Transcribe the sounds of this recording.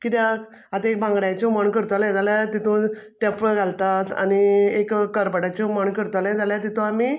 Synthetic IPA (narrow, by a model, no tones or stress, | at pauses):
kit̪ja | at̪aek̚bãŋɡɽat͡ɕɔməɳkəɾt̪əljẽd͡zaljat̪it̪ʰõʈepɡʱalt̪at̪a̰niekːəɾpəɽat͡ɕɔməɳkəɾt̪əljd͡zaljat̪̬it̪ʰũami